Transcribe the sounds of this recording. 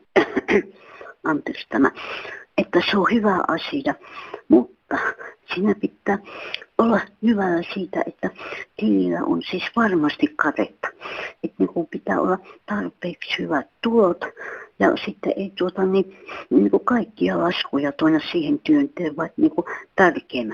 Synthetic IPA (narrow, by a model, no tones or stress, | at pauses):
ɑnt̪erst̪ɑnɑ̰et̪ːæseohyʋæʔɑsijɑmut̪ːɑsiːnæpit̪ːæːolːɑhyʋælːæsiːt̪æ̰ʔet̪ːæt̪ililːæ̰ʔo̰nsiːsʋɑrmɑst̪ikkɑt̪ḛt̪ːɑ̥et̪nekumpit̪æ̰ːo̰lːɑt̪ɑrpeːkshyʋæt̪t̪ulot̪jɑ̰sit̪ːeʔeˑit̪uot̪ɑniːniːŋkukɑikːiɑlɑskujɑt̪oinɑssiːhent̪yønt̪eːʋʋɑˑit̪niːŋkut̪ærkeːmæ